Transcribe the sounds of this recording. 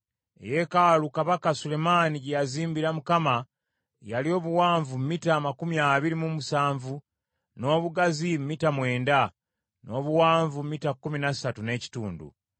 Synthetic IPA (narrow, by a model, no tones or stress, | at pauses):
e̞̰je̞kalukaβakasule̞maːniɟejaziːmbiɾamukama | jalio̞ːβuwaːɱvummitaːmakumiaβiɾimumusaːɱvu | no̞ːβuɡazimmitamwe̞ːnda | no̞ːβuwaːɱvummitakːuminḁsatune̞ːci̥tuːndṵ